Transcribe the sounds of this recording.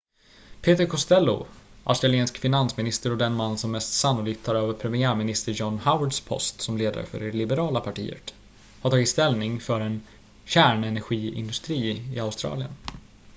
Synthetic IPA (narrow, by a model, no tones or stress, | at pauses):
pʰeːt̪əɾkʰɔst̪ɛlːʊ̰ | ʔa̰ʊst̪ɾalɪeːnskfɪnansmɪnɪst̪əɾɔd̪ɛnmanːnsɔmːɛst̪sanːʊliːk̚t̪ʰːɑːɾøːvəɾpʰɾɛmɪæːɾmɪnɪst̪əɾjɔnːhaʊəɖspʰɔ̰st̪sɔmleːd̪a̰ɾə̰fœ̰ɖɛlɪbɛɾɑːlapʰaʈʰḭːə̰t̪ | haɾt̪ʰɑːɡɪt̪st̪ɛlnɪŋfœɾɛn | ɕæːɳɛnæɾɧiːɪ̰nd̪ɵst̪ɾiːɪ̰aʊst̪ɾɑ̰ːlɪə̰n